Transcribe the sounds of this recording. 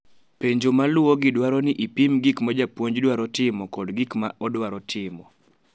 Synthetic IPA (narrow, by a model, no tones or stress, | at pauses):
peɲd͡ʒomalʊoɡɪdwaɾɔnɪʔipimɡikmad͡ʒapwoɲd͡ʒdwaɾɔtɪmɔkɔdɡikmaɔdwaɾɔtʰɪmɔ